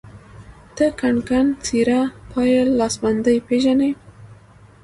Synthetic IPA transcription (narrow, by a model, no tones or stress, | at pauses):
t̪əkaɳkant͡siɾapʰɑjalːɑsband̪əjpeʒane